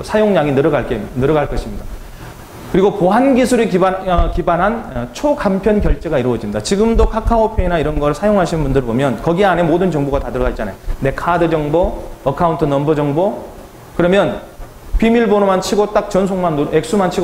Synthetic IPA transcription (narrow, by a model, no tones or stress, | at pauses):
sʰajoŋɲaŋinɯɾʌɡaɭk͈enɯɾʌɡaɭk͈ʌɕʰimɲida | kɯɾiɡopoɦanɡisʰuɾikiʌkibanɦant͡ɕʰokampʰjʌnkjʌɭt͡ɕ͈e̞ɡaiɾuwʌd͡ʑimɲidat͡ɕiɡɯmdokʰakʰaopʰeinaiɾʌnɡʌɭsʰajoŋɦaɕʰinɯnbundɯɭbomjʌnkʌɡiane̞modɯnt͡ɕʌŋboɡatadɯɾʌɡait̚t͡ɕana̰jone̞kʰadɯd͡ʑʌŋboʌkʰauntʰɯnʌmbɯd͡ʑʌŋbo | kɯɾʌmjʌn | pimiɭbonomant͡ɕʰiɡot͈ak̚t͡ɕʌns̬ʰoŋmanek̚s͈umant͡ɕʰiɡ